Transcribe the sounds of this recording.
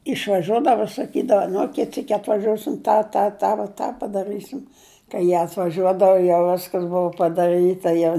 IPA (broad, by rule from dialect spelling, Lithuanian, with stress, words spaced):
ɪʃʋɐˈʒʲuɔdɐʋʊ sɐˈkʲiːdɐʋɐ ˈnʊ ˈkʲɪt ˈsʲiːkʲ ɐtʋɐˈʒoːsʲɪm ˈtɑː ˈtɑː ˈtɑː ʋoː tɑː pɐdɐˈrɨsʲɪm kɐɪ ˈjiɛ ɐtʋɐˈʒʲuɔdɐʋʊ jɛʊ ˈʋʲæːskɐs ˈbʊʋʊ pɐdɐˈrɨtɐ jɛʊ